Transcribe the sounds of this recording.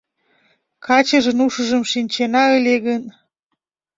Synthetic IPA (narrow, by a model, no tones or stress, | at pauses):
kɑt͡ɕə̆ʒə̆nuʃə̆ʒɤ̆mʃinʲt͡ɕenɑə̆lʲeɣən